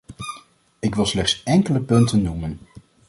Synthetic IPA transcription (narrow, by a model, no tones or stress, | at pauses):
ɪkʋɪlˠslɛχtsɛŋkələpɵntənːumən